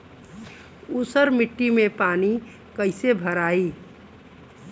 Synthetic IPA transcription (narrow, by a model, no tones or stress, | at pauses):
usəɾmɪʈːimepaːni | kəɪsebʱəɾaːi